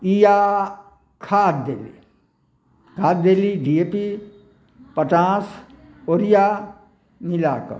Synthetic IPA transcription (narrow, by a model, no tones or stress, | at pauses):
ija | kʰaːt̪̚d̪eːlḭ | kʰaːt̪̚d̪eːliɖieːpi | pət͡ʃãːs | oːɾijaː | nilaːkə̰